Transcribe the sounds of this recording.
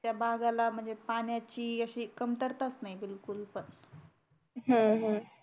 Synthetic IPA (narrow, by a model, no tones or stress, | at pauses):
t̪jabʱaɡalam̤əɳd͡zepaɳjat͡ɕiːəɕiːkəmt̪əɾt̪at͡snaibilkulpən | ɦə̃ɦə̃